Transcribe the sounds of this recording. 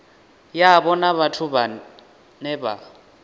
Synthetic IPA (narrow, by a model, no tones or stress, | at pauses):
jabɔnaβatʰuβa | nɛba̰